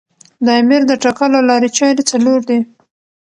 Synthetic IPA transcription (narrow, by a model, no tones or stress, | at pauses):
d̪ɑjmiɾd̪əʈakalalɑɾet͡ʃɑɾit͡saloɾd̪i